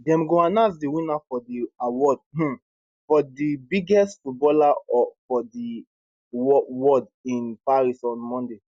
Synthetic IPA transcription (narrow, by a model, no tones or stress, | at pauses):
dɛ̃mɡoanãs̬diwĩnafɔdiawɔd̩̚ | fɔdibiɡɛstfut̚bɔlaɔfɔdi | wɔwɔd | ĩnpaɹisɔ̃nmɔ̃nde